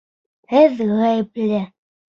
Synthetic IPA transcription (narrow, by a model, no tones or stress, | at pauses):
hɘðʁæjplɘ